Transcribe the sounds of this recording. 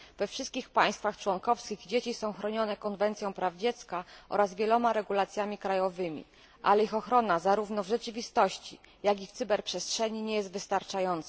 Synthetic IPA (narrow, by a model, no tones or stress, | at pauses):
v̥ɛfʂɘst̪̚kʲixpaj̃st̪faxt͡ʂwɔŋkɔfskʲiɣd͡ʑet͡ɕisɔ̃w̃xɾɔɲɔnɛkɔnvɛnt̪sʲjɔ̃w̃pɾavd͡ʑɛt̪skaʔɔ̰ɾazvʲjɛlɔmaɾɛɡulat̪sʲjamʲikɾajɔvɘmʲḭ | ʔa̰lɛixɔxɾɔnazaɾuvnɔvʐɛt͡ʂɘvʲist̪ɔɕt͡ɕi | jaɡʲift̪sɘbɛɾpʂɛstʂɛɲiɲɛjɛzt̪vɘst̪aɾt͡ʂajɔnt̪sɛ